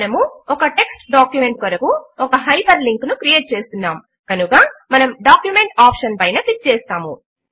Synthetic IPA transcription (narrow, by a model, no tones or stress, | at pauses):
nɐmuɔkɐʈe̞ksʈɖaːkjume̞ɳʈ̚kɐɾɐkuɔkɐɦɐjpɐɾliŋknukɾijeːʈ̚t͡ʃeːst̪unːaːm | kɐnukɐmɐnɐmɖaːkjume̞ɳʈaːpʂɐnpɐjnɐklik̚t͡ʃeːst̪aːmu